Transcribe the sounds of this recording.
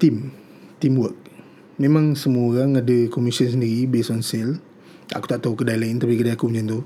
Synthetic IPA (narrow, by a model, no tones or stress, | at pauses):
t̪im | t̪imwək̚ | memãŋsəmuaoɾaŋadəkomisəns̬əndiɾibesɔnsɛl | a̰ku̥t̪aʔt̪aukədajlaint̪apikədajakuuɲd͡ʒant̪u